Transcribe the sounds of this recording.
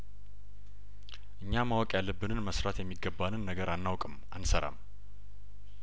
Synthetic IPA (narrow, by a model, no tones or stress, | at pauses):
ʔɨɲːamawɔkʼjalːəbːɨnɨnməsɾat̪jɛmːiɡːəbːanɨnːəɡəɾanːawkʼɨm | ansəɾa̰m